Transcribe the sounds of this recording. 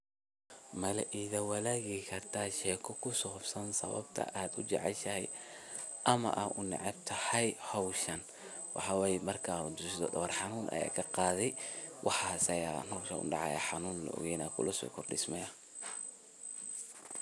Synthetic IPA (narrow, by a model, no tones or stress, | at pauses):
mɐlɛʔiːðɐwɐlaːɣikʰɐrt̪ʰaːʃɛːkʰɔkʰʊsɔfsɐnsɐ̰βɐ̰bt̪ʰɐ̰ʔaːd̪ʊt͡ʃɛʕɛlʃɐɦɛj | ʔɐmɐ̰ʔaʔʊnɛ̰ʕɛb̚t̪ʰɐhɐjhɔwʃɐn | wʔɑħɑːwɛjmɐrkʰad̪ʊsɪd̪ɔdɐwɐrħɑnuːnʔɐ̰ja̰ːkʰɐqɑːðɛjwʔɑħɑːsɐja̰ːnɔwʃɐʊ̰ɖɑʕɑ̰ja̰ħɑnuːnlɐ̰ʔɔ̰ɣɛjnaːkʰʊ̰lɐsɔ̰ːkʰɔrɖɪsmɛjɐ